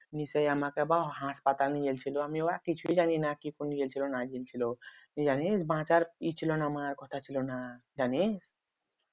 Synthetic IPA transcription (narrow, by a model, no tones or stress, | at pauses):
nisejamakebaɦãspat̪alnijelt͡ʃʰiloamioakit͡ʃʰuid͡ʒaninakikonid͡ʒelt͡ʃʰilonad͡ʒilt͡ʃʰilonid͡ʒanesbãt͡ʃaɾit͡ʃʰilonamaɾkɔt̪ʰat͡ʃʰilonad͡ʒanes